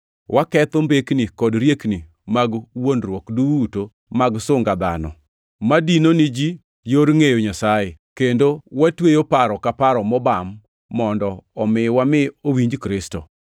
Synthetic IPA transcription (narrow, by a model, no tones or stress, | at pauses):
wʔakɛt̪ombeknikɔdɾjekni | maɡwonrwɔkduuto | maɡsʊŋɡad̪a̰nɔ̰ | madinonɪd͡ʒi | joɾŋejoɲasajekendowatwejopaɾɔkapaɾɔmɔbamː | ɔndɔːmɪwamɪowiɲd͡ʒkɾɪsto